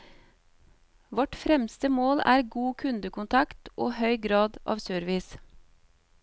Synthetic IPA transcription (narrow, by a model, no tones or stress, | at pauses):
ʋɔʈfɾɛmst̪əmoːlæ̰ːɾɡuːkʰʉnd̪əkʊnt̪ʰɑkt̪ʔoːhœʏɡɾɑːd̪ʔɑ̰ːʋsøːɾʋɪs